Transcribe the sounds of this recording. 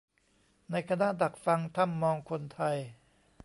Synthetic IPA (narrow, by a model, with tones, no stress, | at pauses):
na˧jkʰa˧na˦˥ʔda˨˩k̚fa˧ŋt̪ʰa˧˥˩mːɔː˧ŋkʰo˧nt̪ʰa˧j